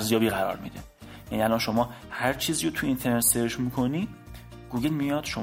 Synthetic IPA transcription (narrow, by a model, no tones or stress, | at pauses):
ɾzjɒːbiːɣæɾɒ̰ːɾmḭd̪e | jæniælɒːnʃo̞mɒːhæɾt͡ʃʰiːziːɾot̪ʰuint̪ʰe̞ɾnet̪seɾʃmiːkʰo̞niː | ɡ̥uːɡe̞lmijɒːd̪̥ʃo